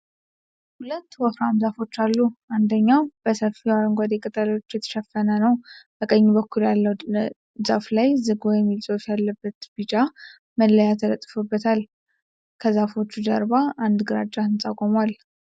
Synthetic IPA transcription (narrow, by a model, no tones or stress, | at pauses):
hulət̪ːwɔfɾamzafo̞t͡ʃːalːuʔand̪əɲːawb̥əsəfiwaɾɨŋɡʷad̪ekʼət̪ʼalot͡ʃːjɛt̪ʰə̥ʃɛfənənəwʔəkʼəɲːubəkʰːuljalːəw̪ | zaflajzɨɡɔjɛmːilt͡ʃʼosjalːəbːət̪bɨd͡ʒa | məlːəjat̪jɾət̪ʼːfobːət̪ʰal | kʰəzafo̞t͡ʃːud͡ʒəɾbaʔand̪ɡɨɾa̰d͡ʒːahɨnt͡sʼakʼomwal